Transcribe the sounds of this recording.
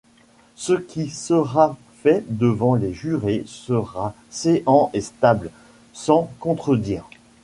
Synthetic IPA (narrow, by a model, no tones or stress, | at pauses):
səkʲʰisəʁa | fɛd̪əvɑ̃leʒyʁesəʁa | seʔɑ̃ʔest̪abl | sɑ̃kɔ̃t̪χəd̪iːʁ